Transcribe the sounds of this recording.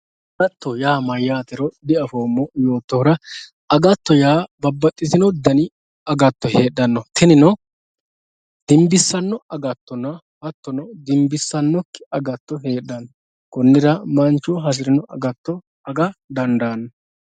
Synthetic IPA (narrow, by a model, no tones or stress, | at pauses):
ɐɡɐt̪ːɔjaːmɐjːaːt̪ɛɾɔd̪ɪɐfoːmːɔjo̞ːt̪ːɔhɾɐ | ɐɡɐt̪ːɔjaːbɐbːɐt̪ʼːɪzɪnɔd̪ɐnɪ | ɐɡɐt̪ːɔheːɗɐnːɔt̪ɪnɪnɔ | d̪̥ɪmbɪsːɐnːɔɐɡɐt̪ːɔnɐ | hɐt̪ːɔnɔd̪ɪmbɪsːɐnːɔkːɪɐɡɐt̪ːɔɦe̞ːɗːɐnːɔ | kɔnːɪɾɐmɐnt͡ʃːɔɦɐs̬ɪɾɪnɔʔɐ̰ɡɐt̪ːɔ | ɐɡɐd̪ɐnd̪aːnːɔ